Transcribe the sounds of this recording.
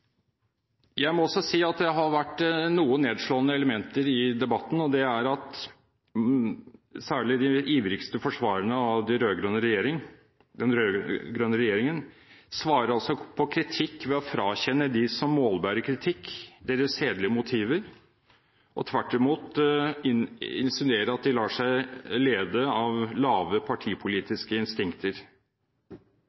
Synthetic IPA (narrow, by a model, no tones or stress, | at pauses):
jæɪmɔɔsːɔsiːɑt̪̚d̪ɛɦɑɾʋæʈːnuːənneːd̪ʂɭoːənəɛləmɛnt̪əɾɪd̪ɛbɑt̪ːn̩ɔd̪ɛæɾɑt̪ | sæːɭɪd̪ɪʔiːʋɾɪkst̪əfɔʂʋɑːɾəɳəɑʋd̪ɛɾøːɡɾœnəɾɛjeːɾɪŋ | d̪ɛnɾøːɡɾœnːəɾɛjeːɾɪŋən | sʋɑːɾəɾɔsɔpʰɔkʰɾɪt̪ʰɪkːʋɛɔfɾɑːçɛnːəd̪ɪsɔmːoːlbæɾəkʰɾɪt̪ʰɪkːd̪eːɾəsʃeːd̪lɪəmʊt̪ʰiːʋəɾ | ʔɔ̰t̪ʰʋæʈːɪmuːt̪ | ɪnsɪneːɾəɾɑt̪̚d̪ɪlɑːʂæɪleːd̪əɑʋlɑːʋəpʰɑʈʰiːpʰʊliːt̪ɪskəɪnst̪ɪŋkt̪ʰəɾ